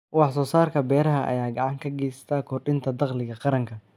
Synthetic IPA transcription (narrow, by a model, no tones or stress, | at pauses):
wɑħsɔːsaːrkʰɐbɛːɾɐɦɐʔɐ̰jaːɡɑʕɑŋkʰɐɡɛːst̪ʰaːkʰɔrɖɪnt̪ʰɐd̪ɑqlɪɣɐqɑɾɐŋkʰɐ